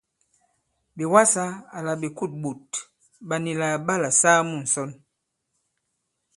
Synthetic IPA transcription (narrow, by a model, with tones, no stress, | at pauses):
bi˨wa˦sa˦a˨la˨bi˨ku˦˨t̚ɓu˨t | ɓa˨ni˨la˨ba˦˨la˨saː˦mu˦˨n̩˨sɔ˦n